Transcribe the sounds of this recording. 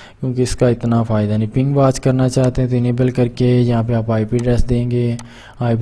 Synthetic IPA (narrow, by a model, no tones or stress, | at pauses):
kjõːkeɪskaɪt̪nafʰaːɪd̪anĩːpɪ̃ŋɡbaːt͡ʃkəɾnaːt͡ʃaːt̪eɛ̃t̪̬oɪneːbəlkəɾkejɐɦãːpeaːpaːipiːɖɾɛsd̪ẽːŋɡeː | aːip